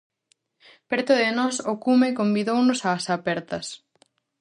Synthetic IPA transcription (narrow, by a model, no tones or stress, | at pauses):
pɛɾt̪ʊðɪnɔsokumekombiðownʊsaːsapɛɾt̪ɐs